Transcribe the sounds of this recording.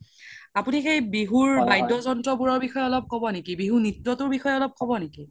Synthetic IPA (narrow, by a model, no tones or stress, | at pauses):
apunixejbiɦuɹbajdɔzɔntɹɔbuɹɔɹbixɔjɛɔlɔp̚kɔbɔnekibiɦunitɹɔtʊɹbixɔjɛɔlɔp̚kɔbɔneki